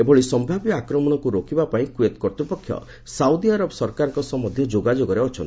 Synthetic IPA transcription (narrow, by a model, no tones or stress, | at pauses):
ebɔɭisɔmbʱabjakɾɔmɔɽ̃ɔkuɾokibapaĩkuet̪kɔɾt̪ɾipɔkʰːjɔ̰ | sawd̪iaɾɔbɔsɔɾkaɾɔ̃ŋkɔsɔmɔd̪ʱjɔd͡ʒoɡad͡ʒoɡɔɾeɔt͡ʃʰɔnt̪i